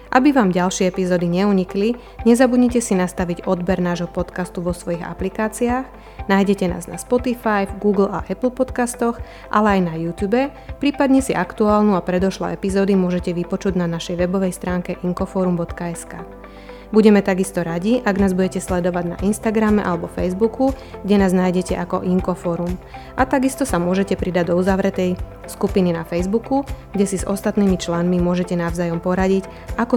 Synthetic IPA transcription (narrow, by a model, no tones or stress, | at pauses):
ʔabiʋaːmɟalʃɪɛɛpizɔːd̪iɲɛuɲikli | ɲɛzabudɲɛcɛsinast̪aʋiɟɔd̪bɛɾnaːʒɦɔpɔt̪kast̪uʋɔsʋɔjiɣa̰plikaːt͡siaːx | najɟɛcɛna̰ːzna̰spɔt̪ifajvɡuːɡl̩aʔɛpl̩ˠpɔt̪kast̪ɔx | ʔalɛajnajuːt̪juːbɛpɾiːpad̪ɲɛsiʔakt̪uaːlnuapɾɛd̪ɔʃlɔ̰ɛpizɔːd̪imʊɔʒɛcɛʋipɔt͡ʃuɟnanaʃɛjʋɛbɔʋɛjst̪ɾaːŋkɛʔiŋkɔfɔːɾumbɔt̪kaɛskaː | buɟɛmɛt̪aɡist̪ɔɾaɟiʔaɡnaːzbuɟɛcɛslɛd̪ɔʋaɟna̰ʔinst̪aɡɾamɛʔalɛbɔfɛjzbuku | ɡɟɛnaːznajɟɛcɛʔakɔ̰ʔiŋkɔfɔːɾum | ʔat̪aɡist̪ɔsamʊɔʒɛcɛpɾid̪aɟd̪ɔuzaʋɾɛt̪ɛj | skupininafɛjzbukuɡɟɛsizɔst̪at̪niːmit͡ʃlanmimʊɔʒɛcɛnaʊzaːjɔmpɔɾaɟic | akɔ